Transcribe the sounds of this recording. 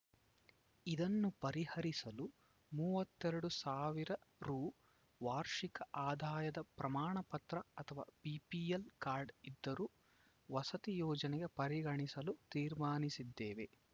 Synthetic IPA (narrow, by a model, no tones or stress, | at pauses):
id̪ɐnːupɐɾihɐɾisɐlu | muːʋɐt̪ːɛɾɐɽusaːʋiɾɐɾuː | ʋaːɾʂikɐʔaːd̪ʱaːjɐd̪ɐpɾɐmaːɳɐpɐt̪ɾɐɐt̪ʰɐʋa̰ːpiːpijelkaːɾɖid̪ːɐɾuː | ʋɐsɐt̪ijɔːd͡ʒɐnɛɡe̞pɐɾiɡɐɳisɐlut̪iːɾmaːnisid̪ːeːʋe̞